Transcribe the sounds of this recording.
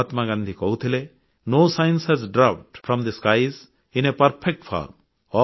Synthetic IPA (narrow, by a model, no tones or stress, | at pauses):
t̪maɡãnd̪ʱikɔɦut̪ʰile | noːsajnshɛzɖɾap̚ʈfʰɾɔ̃md̪iskajz | inepɐɾpʰek̚ʈfʰɔ̰ɾm | ɔ